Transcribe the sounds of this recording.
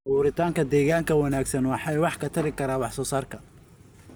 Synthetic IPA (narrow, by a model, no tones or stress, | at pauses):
uːɾɪt̪ʰaːŋkʰɐd̪ɛːɣaːŋkʰɐwɐnaːɡsɐnwɑħɑjwɑħkʰɐt̪ʰɐɾɪkʰɐɾaːwɑħsɔːsaːrkʰɐ